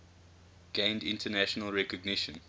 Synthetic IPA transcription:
ɡ̥ẽɪ̃ndɪ̃ntʰənæʃənəlˠɹɛkɔɡnɪʃə̃n

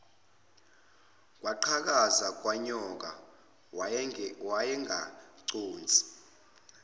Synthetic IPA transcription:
k̬ʼwaǃʰak̬azak̬waɲɔk̬a | wajɛŋaǀoːnd͡zʱi̥

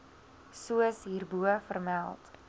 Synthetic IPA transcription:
suəsɦiːrbuəfərmælˠt

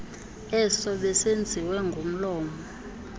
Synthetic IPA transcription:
ɛsɔɓɛsend͡zʱiwɛŋɡʱom̩lɔːmɔ

